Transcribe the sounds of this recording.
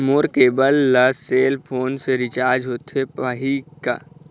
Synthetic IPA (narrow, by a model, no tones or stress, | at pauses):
moːɾkeːbəlːəseːlpʰoːnseɾɪt͡ʃaːɾd͡ʒɦoːt̪epaɦika̰ː